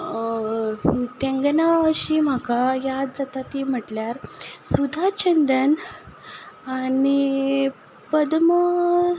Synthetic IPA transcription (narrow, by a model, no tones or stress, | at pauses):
t̪ẽŋɡnaəɕim̤akajad͡zət̪at̪iːm̤əʈljaɾsud̪ʱat͡ɕənd̪ən | ani | pəd̪mə